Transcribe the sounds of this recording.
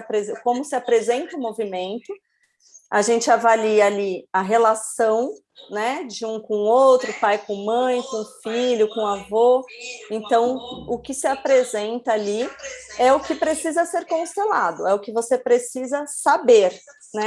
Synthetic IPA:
pɾezkõmʊsɪapɾezẽnt̪ɐʊmovimẽnt̪ʊ | aʒẽnt͡ʃɪavaliɐːliɐɦelasɐ̃w̃ | nɛd͡ʒɪũkõowt̪ɾʊpajkõmɐ̃j̃kõfiʎʊkõavoẽnt̪ɐ̃w̃ʊkɪsɪapɾezẽnt̪ɐaliɛʊkɪpɾesizɐseɾkõst̪elad̪ʊɛʊkɪvosepɾesizɐsabeɾ | nɛ

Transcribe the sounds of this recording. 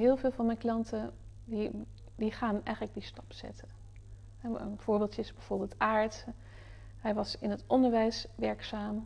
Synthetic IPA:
ɦɪːlˠvɪːlˠvɑnmɛnklɑntə | di | diχaːnɛ̰jχələɡ̚distɑ̥psɛ̰tə | ɦɛənv̥ʊːɹbɪːlˠtəsbɛv̥ʊːɹbɪːlˠtaːɹt | ɦɛjʋɑsɪnɦətɔndəɹʋɛjsʋɛɹksaːm

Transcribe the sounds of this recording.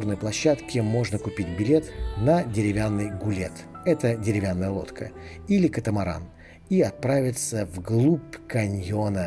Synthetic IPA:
rnəjplˠɐɕːat̪kʲɪmo̞ʐnəkʊpʲit̚ʲbʲɪlʲet̪nədʲɪɾʲɪvʲanːɨjɡʊlʲe̞̰t̪ɛt̪ədʲɪɾʲɪvʲanːəjəlˠo̞̰t̪kʰə̰ | ilʲɪkət̪əmɐɾa̰n | iɐt̪̚pɾavʲɪt̪səvɡlˠupkɐnʲjo̞nə

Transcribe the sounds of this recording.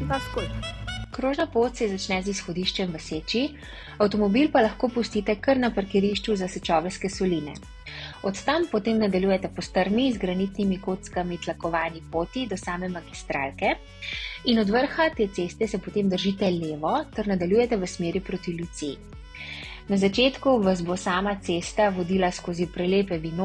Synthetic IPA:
paskokɾoːʒnapoːt̪sɛzat͡ʃnɛzisxɔd̪iːʃt͡ʃɛmʋəseːt͡ʃi | awt̪ɔmɔbilpalɐxkoːpust̪it̪ɛkəɾnapaɾkɛɾiʃt͡ʃuzasɛt͡ʃɔːʋɛlskɛsɔlinɛ̰ | ɔt̪t̪ampɔt̪eːmnad̪aljuːjɛt̪ɛpɔst̪əɾmizɡɾanit̪nimikoːt̪skamit̪lakɔʋaːnipoːt̪id̪ɔsaːmɛmaɡist̪ɾa̰ːlkɛ | inɔd̪ʋəɾxat̪eːsest̪ɛsɛpɔt̪eːmd̪əɾʒiːt̪ɛleːʋɔt̪ɛɾnad̪aljuːjɛt̪ɛʋəsmeːɾipɾoːt̪iljut̪se | nazat͡ʃeːt̪kuʋazbosaːmat̪seːst̪aʋɔd̪iːlaskoːzipɾɛleːpɛʋino

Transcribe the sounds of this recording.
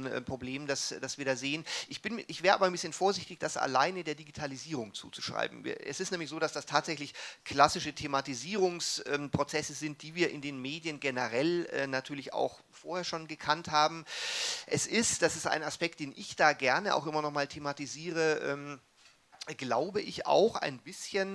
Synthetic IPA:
ʔɛ̰pʁ̥obleːmdasd̥asv̥iːɐɾaːzeːənʔɪçb̥ɪnʔɪçv̥ɛːʁəʔaːbɐanmbɪsçənfoːɐzɪçtɪçd̥asa̰laɪnədeːɐdiɡitʰaliziːʁ̞ʊŋt͡sṵːt͡su̥ʃʁ̥a̰ɪbm̩̰ɛ̰sɪstnɛːmlɪçz̥oːdasd̥astʰaːtz̥ɛçlɪçkl̥asɪʃətʰematiziːʁʊŋsʔɛːmpʁ̥ot͡sɛsəzɪnt̚d̥iːviːɐʔɪndeːnmeːdjənɡenəʁɛlɛːnatʰyːɐlɪça̰ʊx | foːɐheːɐʃoːnɡəkʰanthaːbm̩ʔɛsɪstd̥asɪsta̰ɪnaspɛk̚t̚d̥eːnʔɪçd̥aːɡɛɐnəʔa̰ʊxʔɪmɐnɔχmaːltʰematiziːʁ̞əʔɛ̰ːm | ɡ̥laʊbəʔɪça̰ʊxa̰ɪnbɪsçən

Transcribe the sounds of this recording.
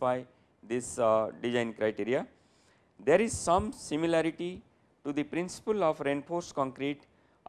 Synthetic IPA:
faɪ | d̪isɖid͡ʒãɪ̃nkɾaɪʈiɾia | d̪eɾizsʌ̃msimilaɾiʈi | ʈud̪ipɾĩnsi̥pəlɔːfɾẽɳɖfʰoːɾskɔ̃ŋkɾiʈ

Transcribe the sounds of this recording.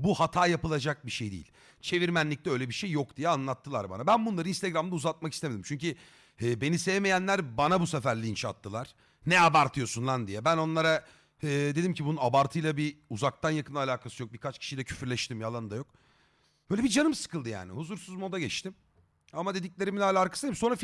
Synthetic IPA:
buhat̪ʰaːjapɯlˠad͡ʒak̚biʃe̞jd̪ḭːḭ | t͡ʃʰe̞viɾmænlʲiclʲɛø̞jlʲebiʃejːo̞kd̪ijɛanlˠat̪ʰːɯlˠa̰ɾba̰nabænbunlˠaɾɯinst̪ʰeɡɾamd̪auzat̪̚makist̪emed̪imt͡ʃʰyɲci | ɛːbe̞nisejɛmejænlʲæɾbanabusefæɾlʲiːnʃat̪ʰːɯlˠaɾ̥ | nɛabaɾt̪ʰɯjo̞sunlˠand̪ijɛbæno̞nlˠaɾa | ɛːd̪e̞d̪imcibununabaɾt̪ʰɯjlˠabiuzak̚t̪ʰanjakʰɯnalʲaːkʰasɯjo̞k̚bikʰat͡ʃcʰi̥ʃijd̪ɛcʰy̥fyɾlʲɛʃt̪ʰimjalˠanɯd̪ajok̚ | b̥øːlʲɛbid͡ʒanɯmsɯ̥kʰɯlˠd̪ɯja̰ːnḭhuzuɾsuzmo̞d̪aɟɛt͡ʃt̪im | amad̪e̞d̪iclʲe̞ɾiminʲɛalʲaɾkʰḁsɯdeimso̞nɾaf

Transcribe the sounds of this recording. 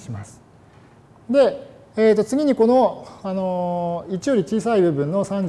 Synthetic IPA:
ɕimasɨ̥ | d̪e̞ | eːt̪ːo̞t͡sɨɡʲiɲ̟iko̞no̞ano̞it͡ɕijo̞ɾʲit͡ɕiːsaibɯ̟bɯ̟̃nːo̞sãɲd͡ʑ

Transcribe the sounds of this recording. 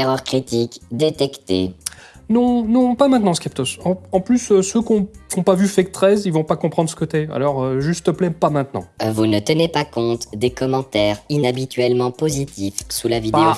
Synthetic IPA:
eʁœʁkχit̪ikd̪et̪ɛkt̪ḛnɔ̃nɔ̃pamɛ̃t̪nɑ̃skχip̚t̪osɑ̃ɑ̃plysøsøkɔ̃fɔ̃pavyfɛk̚t̪χɛzilvɔ̃pakɔ̃pχɑ̃d̪ʁsə̥kət̪ɛa̰lɔʁøʒyst̪ːəplɛpamɛ̃t̪nɑ̰̃vunət̪ənepakɔ̃t̪d̪ekɔmɑ̃t̪ɛʁinabit̪ɥɛlmɑ̃pozit̪ifsulavid̪e

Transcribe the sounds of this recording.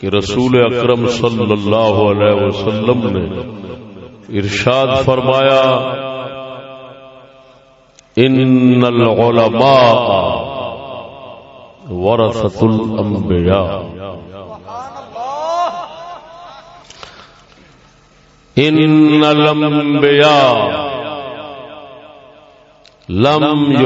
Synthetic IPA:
keɾɐsuːleɐkɾɐmsɐlːɐlːaːɦʊɐlɛːɦwɐsɐlːɐmne | ɪɾʃaːd̪fɐɾmaːja | ɪnːɐlʕʊlɐmaːʔɐ | wɐɾɐsɐt̪lɐmbɪjaː | ɪnːɐlɐmbijaː | lɐm

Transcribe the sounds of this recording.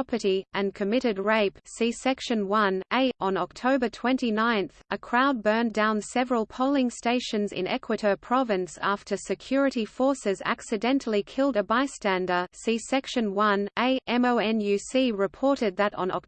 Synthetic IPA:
pə˞ɾiʔɨ̃nkʰɨmɪɾɨd̚ɹeɪpsisɛkʃɨ̃nwʌ̃nʔeɪ̃n̩ɑk̚tʰoʊbə˞tʰw̥ɛ̃ntinãɪ̃nθɨkʰɹ̥aʊd̚bɜ̃˞ndãʊ̃nsɛvəɹəlˠpʰoʊlˠɪ̃ŋsteɪʃɨ̃nzɪ̰̃nɛ̰kʰwɨɾə˞pʰɹ̥ɑvɨ̃nsæftʰə˞sɨkʰj̥ʊɹɨɾifɔɹsɨzæ̰ksɨdɛ̃ntʰl̩ˠikʰɪlˠdɨbaɪstæ̃ndə˞sisɛkʃɨ̃nwʌ̃nʔeɪʔɛ̃moʊɛ̃njʉsiɹɨpʰɔɹɾɨd̪̚ðɨɾn̩ɑ̰k̚

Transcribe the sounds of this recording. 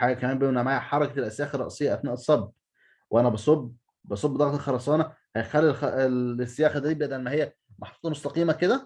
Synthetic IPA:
ħaːɡækæmæːmbenæmʕaːjħɑɾˤɑkælʔæsjæːxɑrˤːɑ̰ʔsˤejːɑʔæt̪næːʔesˤːɑb | wʔænæbɑsˤobː | bɑsˤobːd̪ɑɣt̪elxɑɾˤɑsˤɑːnɑ | hæjexælːilxeesːejæːxæd̪æːibʔæd̪ælmæhejːæ | mɑħɑt̪ˤuːt̪ɑmost̪ɑqiːmæked̪æ

